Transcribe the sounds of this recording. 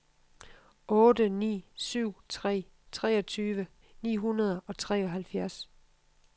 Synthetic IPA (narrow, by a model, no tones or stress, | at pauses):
ɔ̽ːd̥ənḭːsyʊ̰t͡sʰʁɛ̰ː | t͡sʰʁɛːɒ̽t͡sʰyːʋə | nḭːɦunɐð̞ˠɒ̽t͡sʰʁɛ̰ːɒɦælfjæɐs